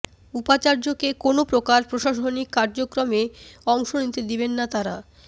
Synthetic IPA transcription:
upat͡ɕaɾd͡ʑokekonopɾokaɾpɾoʃaʃonikːaɾd͡ʑokɾomeɔŋʃonit̪ed̪ibenːat̪aɾa

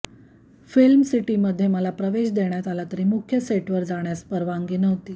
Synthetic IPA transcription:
filmsiʈiːməd̪ʱːjeməlapɾəʋeɕd̪eɽ̃jat̪alat̪əɾiːmukʰjəseʈʋəɾd͡zaɽ̃jaspəɾʋaŋɡiːnəɦot̪iː

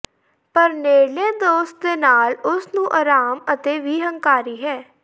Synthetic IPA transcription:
pəɾneːlẽːd̪oːst̪̚d̪eːnaːlʊsnũːʔaɾaːmət̪eːʋiːɦəŋkaːɾiːɦɛː

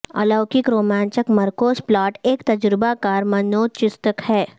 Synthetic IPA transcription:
ɐ̰ləːkɪkɾoːmɛ̃ːnt͡ʃəkmɐɾkoːsplaːʈeːkt̪ɐd͡ʒɾɪbakaːɾmɐnoːt͡ʃɪst̪əkhɛː

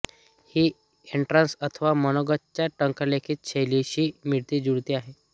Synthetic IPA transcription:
hiː | eɳʈɾansət̪ʰəʋamənoɡətt͡ɕjaʈəŋkəlekʰiːt̪̚t͡ɕʰejliɕiːmiɽt̪iːd͡ʑuɽt̪iːaɦe

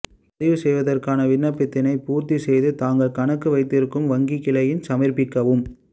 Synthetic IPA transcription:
pɐðɪʋɯsɛjʋɐðɐrkaːnɐʋɪnːɐpːɪt̪ːɪnɐɪpuːɾt̪isɛjðɯt̪aːŋɡɐɭkɐnɐkːɯʋɐɪt̪ːɪɾɯkːɯmʋɐŋɡikːɪlɐjɪnsɐmɪrpɪkːɐʋɯm

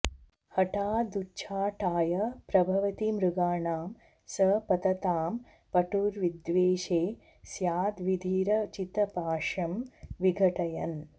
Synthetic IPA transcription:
hɐʈaːd̪ut͡ʃʰaːʈaːjɐpɾɐbʱɐʋɐt̪imɾuɡaːɳaːm | sɐpɐt̪ɐt̪aːm | pɐʈuːɾʋid̪ʋeːʃeː | sjaːd̪ʋid̪ʱiːɾɐt͡ʃit̪ɐpaːʂɐmʋiɡʱɐʈɐjɐn

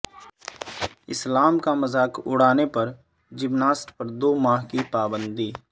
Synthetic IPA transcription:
ɪslaːmkamɐzaːkʊ̰ɽ̤aːnepɐɾ | d͡ʒɪbnaːsʈpɐɾd̪oːmaːɦkipaːbə̃nd̪iː

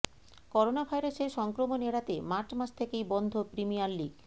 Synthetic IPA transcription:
kɔɾonabʱajɾaseɾʃɔŋkɾomoneɽat̪emaɾt͡ɕʰmaʃt̪ʰekejbɔnd̪ʱopɾimijaɾliɡ

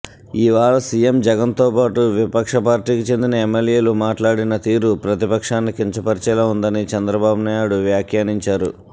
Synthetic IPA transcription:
iʋaːɭɐsijemd͡ʒɛɡɐnt̪oːpaːʈuʋipɐkʂɐpaːɾʈiːkit͡ʃe̞nd̪inɐemːeljeːlumaːʈlaːɽinɐt̪iːɾupɾɐt̪ipɐkʂaːnːikiɲt͡ʃɐpɐɾt͡ʃɛlɐund̪ɐnit͡ʃɐnd̪ɾɐbaːbunaːjuɽuʋjaːkʰjaːniɲt͡ʃaːɾu

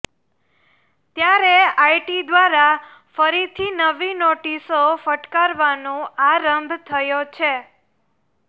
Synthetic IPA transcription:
t̪jaɾeajʈid̪ʋaɾa | fəɾit̪ʰinəʋinoʈisofəʈkaɾʋanũaɾəmbʱt̪ʰəjot͡ʃʰe

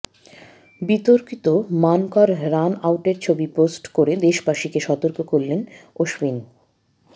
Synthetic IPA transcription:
bit̪oɾkit̪omankaɾɾanawʈeɾt͡ɕʰobiposʈkoɾed̪eʃbaʃikeʃɔt̪oɾkokoɾlenoʃbin

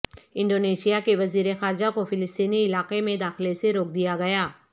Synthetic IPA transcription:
ɪ̃ɳɖoːneːʃijakeʋɐziːɾexaːɾɪd͡ʒakofɪlɪst̪iːniɪlaːqemẽd̪aːxɪleseɾoːk̚d̪ijaɡɐjaː

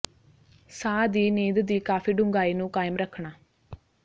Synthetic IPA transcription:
saːd̪iːniːd̪d̪iːkaːfiːɖʊŋɡaːinũːkaːjəmɾəkʰːɳ̃aː

